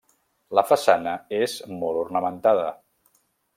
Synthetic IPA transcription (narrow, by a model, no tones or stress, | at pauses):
ləfəsanəezmɔlˠurnəmənt̪aðə